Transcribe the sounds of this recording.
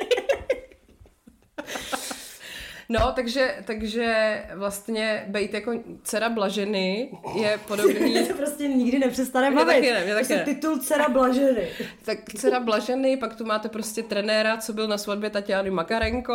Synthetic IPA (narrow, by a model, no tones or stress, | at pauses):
not̪aɡʒɛt̪aɡʒɛvlast̪ɲɛbɛjt̪jakot͡sɛɾablaʒɛnɪjɛpodobniːt̪opɾoscɛɲɪɡdɪnɛpr̥ɛst̪anɛmbaɛt̪aɪɛnɛmɲɛt̪aksɛɛt̪ɪt̪ult͡sɛɾablaʒɛnɪt̪akt͡sɛɾablaʒɛnɪpakt̪umaːt̪ɛpɾoscɛt̪ɾɛnɛːɾat͡sobɪlnasvad̚bjɛt̪acaːnumakaɾɛŋko